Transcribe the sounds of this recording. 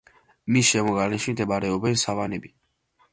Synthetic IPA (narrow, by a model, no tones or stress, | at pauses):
misʃɛmɔɡalɛnʃimd̪ɛbaɾɛɔbɛnsavanɛbi